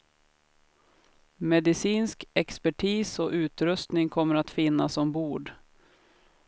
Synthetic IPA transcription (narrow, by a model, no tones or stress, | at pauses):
mɛd̪ɪsiːnskɛkspæʈʰiːsɔʔʉ̟ːt̪ɾɵst̪nɪŋkʰɔmːəɾat̪fɪnːasɔmbuːɖ